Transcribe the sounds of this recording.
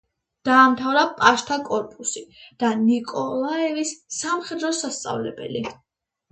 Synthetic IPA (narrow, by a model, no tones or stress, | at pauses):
d̪̥aːmt̪ʰavɾapʼaʃt̪ʰakʼɔɾpʼusid̪̥anikʼɔlˠaɛvisːamχɛd̪ɾɔsast̪sʼa̰vlɛbɛ̰li